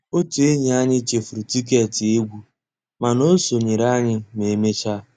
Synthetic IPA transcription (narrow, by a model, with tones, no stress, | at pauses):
o˦te˨e˦ɲe˨a˦ɲɪ˦t͡ʃe˨fu˨ɾu˨ti˦k̬e˦˨ti˨e˦ɡʷu˨ | ma˨no˦so˨ɲe˨ɾa˦ɲɪ˦me˨me˦t͡ʃa˦